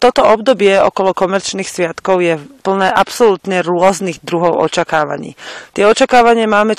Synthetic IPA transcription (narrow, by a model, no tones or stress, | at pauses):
t̪ɔt̪ɔɔbd̪ɔbɪɛɔ̰kɔlɔkɔmɛɾt͡ʃniːxsʋɪat̪kɔʊjɛpl̩nɛːʔapsɔlut̪ɲɛɾʊɔzniɣd̪ɾuɦɔʊʔɔ̰t͡ʃakaːʋa̰ɲḭːt̪ɪɛɔt͡ʃakaːʋaɲɪamaːmɛ